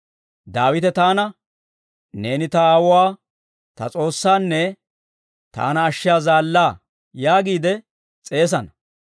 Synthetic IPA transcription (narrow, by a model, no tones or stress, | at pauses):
d̪aːwɪt̪ɛt̪aːnɐ | ne̞ːnɪt̪ɐaːwʊwaː | t̪ɐ̰t͡sʼo̞ːsːaːnːɛ | t̪a̰ːnɐːʃːɪjaːzaːlːaː | jaːɡiːd̪ɛ | t͡sʼe̞ːs̬ɐnɐ